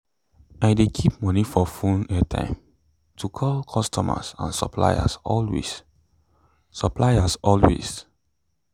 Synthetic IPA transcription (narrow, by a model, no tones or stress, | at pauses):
aɪdekʰip̚mɔnifɔfũnɛtʰã̰ɪ̃m | tʰukʰɔlkʰɔstʰɔma̰sã̰nsɔ̰pʰla̰ja̰sɔlwḛs | sɔplajasɔlwḛs